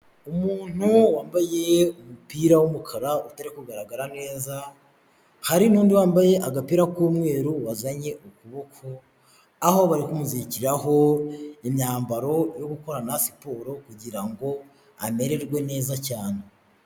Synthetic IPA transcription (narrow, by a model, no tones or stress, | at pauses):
umuːn̥uwaːmbaje̞umupiːɾawumukʰaɾautaɾikuɡaɾaɡaɾane̞ːza | haɾinuːndiwaːmbaje̞ʔaɡapiːɾakuːmŋe̞ːɾuwazaɲe̞ʔukuβo̞kʰo̞ | aho̞βaɾikumuziciɾaɦo̞imɲaːmbaɾo̞jo̞ɡuko̞ɾanasi̥poːɾo̞kuɟiɾaŋɡo̞ | ame̞ɾe̞ɾɡwe̞ne̞ːzacaːne